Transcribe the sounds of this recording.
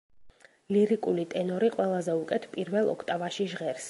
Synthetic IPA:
liɾikʼulit̪ʼɛnɔɾiqʼwɛlˠazɛukʼɛt̪ʰpʼiɾvɛlˠɔ̰kʰt̪ʼavaʃiʒʁɛɾs

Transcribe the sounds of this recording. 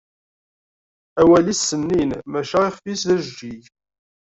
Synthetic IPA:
æwælisːənːinmæʃæiχfisðæʒd͡ʒij

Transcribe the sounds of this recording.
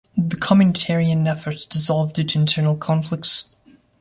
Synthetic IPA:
ðəkʰɑmjɨnətʰɛɹiɨ̃nɛfə˞td̥ɨzɔlˠvdɨ̃tʰɨ̃ntʰɜ˞nl̩ˠkʰɑ̃ɱflɪk̚ts

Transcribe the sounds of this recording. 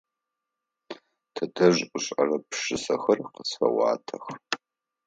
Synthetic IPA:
tʰɐtʰʼɐʒʔʷʊɕʼɐ̰rɐpʰʂɨsɐxɐrqəsfɐ̰wɑ̰ːtʰɐx

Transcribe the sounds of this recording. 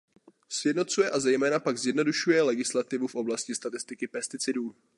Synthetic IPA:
sjɛdno̞t̪t͡sujɛʔazɛjmɛːnapaɡzjɛdno̞duʃujɛlɛɡɪslat̪ɪvufʔo̞blascɪst̪at̪ɪst̪ɪkɪpɛst̪ɪt͡sɪduː

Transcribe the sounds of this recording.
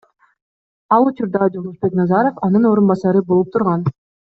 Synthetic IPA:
ɑlˠut͡ʃuɾd̪ɑd͡ʒolˠusbe̞knɑzɑɾofɑnɯno̞ːɾunbɑsɑɾɯbo̞lˠup̚t̪ʰuɾʁɑn

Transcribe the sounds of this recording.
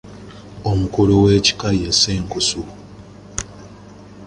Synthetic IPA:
omukuluweːci̥kajeseːŋkusu

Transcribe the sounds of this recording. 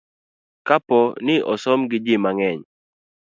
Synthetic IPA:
kapɔnɪʔɔsɔmɡɪd͡ʒɪmaŋɛɲ

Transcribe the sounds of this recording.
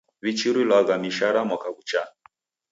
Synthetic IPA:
βit͡ʃiɾilaɣamiʃaɾamwakakut͡ʃa

